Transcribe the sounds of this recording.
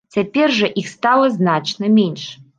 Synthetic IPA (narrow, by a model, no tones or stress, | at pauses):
t͡sʲapʲerʐɐʔixst̪alˠɐznaʈ͡ʂnɐmʲenʂ